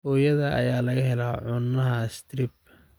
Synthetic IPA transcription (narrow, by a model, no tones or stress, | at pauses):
ɔːjɐðɐʔɐ̰jaːlɐɣɐɦɛlaʕʊnːɐɦɐst̪ʰɾɪb̚